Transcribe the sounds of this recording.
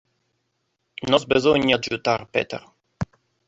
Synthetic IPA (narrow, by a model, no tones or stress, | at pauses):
nɔzbezoɲad͡ʒut̪aɾpḛt̪ḛɾ